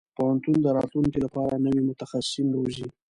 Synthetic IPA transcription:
pohant̪und̪əɾɑt̪luŋkilapɑɾanəwimʊt̪axasɪ̥sinɾozi

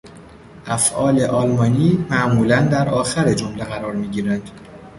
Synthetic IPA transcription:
ʔæfʔɒːleʔɒːlmɒːniːmæʔmuːlænd̪æɾɒːxæɾed͡ʒomleɣæɾɒːɾmiːɟiːɾænd̪̥

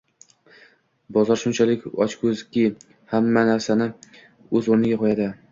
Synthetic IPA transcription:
bɒzɒɾʃʊnt͡ʃʰalɪkʲɒ̰t͡ʃkʰɵzkʲɪ | hamːanaɾsanɪ | ɵzoɾnɪɡʲaqʰɒjad̪ɪ

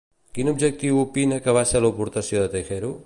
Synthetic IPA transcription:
kinubʒək̚t̪iwupinəkəβ̞aʃəlupuɾt̪əsjoðət̪əjxɛɾu

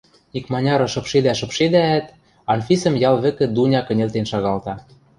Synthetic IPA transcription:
nikmɑnʲɑɾɤ̆ʃɤ̆pʃed̪æʃɤ̆pʃed̪æːt̪ | ɑnfʲisɤ̆mjɑlβɘ̆kɘ̆d̪unʲɑkɤ̆nʲelt̪enʃɑɣɑlt̪ɑ

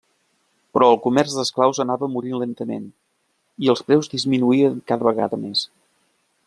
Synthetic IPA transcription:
pɾɔəlˠkumɛrzðəsklawzənaβəmuɾinlent̪əmḛn | iəlˠspɾɛwzd̪izminuiəŋkaðəβəɣa̰ðəmes

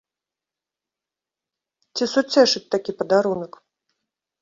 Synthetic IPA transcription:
t͡sʲisut͡sʲɛʂɨt͡sʲt̪akʲipɐd̪aɾunɐk

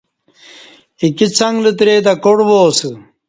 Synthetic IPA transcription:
ikit͡sʰɐŋɡlit̪̬ɾed̪ɐkoɽboːsu

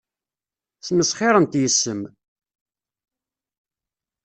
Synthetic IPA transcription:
θməsχeɾˤənt̪jəsːəm

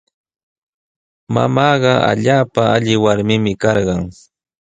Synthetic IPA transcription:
ma̰mɑːɢɑa̰ʎaːpaaʎɪwaɾmɪmɪkɑɾɢɑŋ

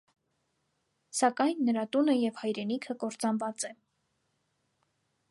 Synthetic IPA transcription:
sɑkɑjnːəɾɑt̪unəjɛvhɑjɾɛnikʰəkɔɾt͡sɑnvɑt͡sɛ

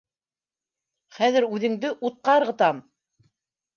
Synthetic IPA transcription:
χæðɘɾʉðɘ̆ŋd̪ɘʔut̪̚qɑɤ̆ɾʁɤ̆t̪ɑm

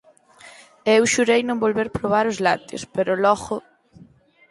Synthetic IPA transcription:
eewʃuɾejnõmbolβeɾpɾoβaɾʊzla̰t̪o̰speɾʊlɔɣʊ

